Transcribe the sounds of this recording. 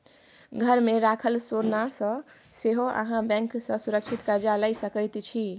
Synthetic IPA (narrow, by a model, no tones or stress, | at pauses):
ɡʱəɾmeɾakʰəlsoɾnasə̃ | seɦoʔə̰ɦãbɛ̃ŋksə̃suɾəkt͡ʃʰit̪kəɾd͡ʒaləjsəkəjt̪t͡ʃʰi